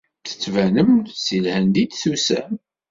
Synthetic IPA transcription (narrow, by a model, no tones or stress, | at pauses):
θə̥t͡sːvænəmsilhænd̪id̪θusæ̰